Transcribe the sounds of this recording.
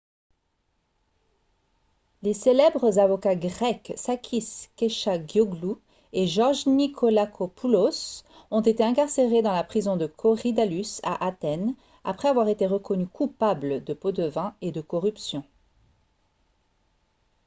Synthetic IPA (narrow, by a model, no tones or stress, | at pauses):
leselɛbʁəzavɔkaɡʁɛksakʲʰiskeʃaɡjɔɡlu | eʒɔʁʒnikʰɔlakʰopʰulos | ɔ̃t̪et̪eɛ̃kaʁseʁed̪ɑ̃lapχizɔ̃d̪əkʰɔʁid̪alysa̰ʔat̪ɛn | a̰pχɛavwaʁet̪eʁəkɔnykʰupabləd̪əpod̪əvɛ̃ed̪əkɔʁypsjɔ̃